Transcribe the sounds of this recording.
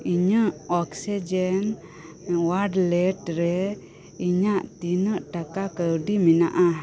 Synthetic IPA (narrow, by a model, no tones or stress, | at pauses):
iɲəʔɔksid͡ʒɛn | waɖlɛʈɾɛ | iɲaʔt̪inəʔʈakakəwɖiminaʔa